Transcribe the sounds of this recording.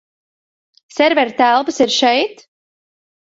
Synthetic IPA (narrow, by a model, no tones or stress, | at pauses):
sɛɾvɛɾt̪ælˠpsiɾʃɛjt̪